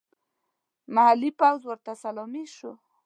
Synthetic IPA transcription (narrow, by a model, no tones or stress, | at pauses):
mahalipawzwəɾt̪asalɔmiʃu